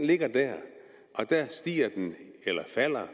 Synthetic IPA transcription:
le̝ɡ̥ɐd̥æɐ̰ | ʔɒ̽d̥æɐsd̥ḭːɐd̥enelɐfæl̰ɐ

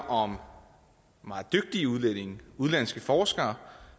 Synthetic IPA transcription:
ʔɒ̽m | mɑ̈ːð̩ˠd̥øɡ̥̚d̥iuð̞ˠlene̝ŋuð̞ˠlæn̰sɡ̥əfɒːsɡ̥ɐː

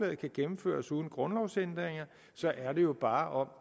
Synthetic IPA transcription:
lɛð̩ˠkʰæɡ̥emm̩fø̰ːɐsuːð̞ˠn̩ɡ̥ʁɒ̽nlɒʊsend̥ʁeŋɐ | sɒ̽ʔæɐɾe̝jo̝b̥ɑ̈ːʔɒ̽m̰

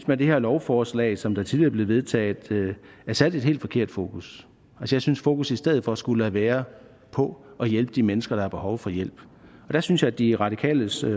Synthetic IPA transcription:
ynsmænd̥e̝heɐlɒʊfɒːslɛ̰ɪsɒ̽md̥ɑ̈t͡sʰiðˠiɐ̰ble̝ð̩ˠʋe̝ð̞ˠt͡sʰɛ̰ːð̩ˠ | æɐsæd̥e̝d̥he̝̰ld̥fɒ̽kʰe̝ɐ̰d̥fo̝ːkʰus | ælsəjɑ̈ɪsynsfo̝ːkʰusisd̥eð̰̩ˠfɒ̽sɡ̥ulæʋæːɐ | pʰɒ̽ʔɒ̽jelb̥əd̥imenəsɡ̥ɐɾ̥ɑ̈hɑ̈b̥e̝hɒʊfɒ̽jel̰b̥ | ɒ̽d̥æsynsjɑ̈ɪæd̥iʁɑ̈d̥ikʰɛ̰ːləs

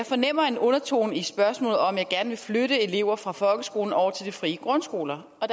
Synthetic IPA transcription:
fɒ̽nem̰ɐe̝nɔ̽nɐt͡sʰo̝̰ːnisb̥ɶɐsmɔ̰ːlð̩ˠɒ̽mjɑɪɡ̥æɐnəʋe̝fløɾ̥əe̝le̝ʊ̰ɐfʁɑ̈fɒ̽lɡ̥əsɡ̥o̝ːln̩ɒʊ̰ɐt͡sʰe̝ld̥ifʁiːəɡ̥ʁɔ̽nsɡ̥o̝̰ːlɐ | ɒ̽d̥

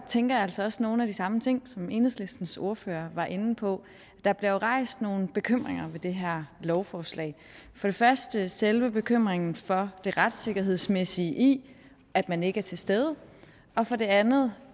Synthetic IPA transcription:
t͡sʰeŋ̰ɡ̥ɐjælsɒ̽ɒ̽sno̝ːn̩æd̥isɑ̈mət͡sʰe̝ŋ̰sɒ̽me̝̰ːnhesle̝sd̥n̩so̝ɐfø̰ːɐʋɑ̈ʔe̝nn̩pʰɒ̽ | d̥ɑ̈b̥le̝joʁɑ̈ɪ̰sd̥no̝ːn̩b̥e̝kʰøm̰ʁeŋɐʋe̝d̥e̝ɦæɐ̰lɒʊfɒːslɛ̰ɪ | fɒ̽ɾ̥e̝fɶɐsd̥əselʋəb̥e̝kʰøm̰ʁeŋn̩fɒ̽d̥e̝ʁad̥se̝ɡ̥ɐɦe̝ð̞ˠsmesiəʔi | æd̥mæne̝ɡ̥əæɐt͡sʰe̝sd̥eð̞ˠə | ɒ̽fɒ̽ɾ̥e̝ænð̩ˠ

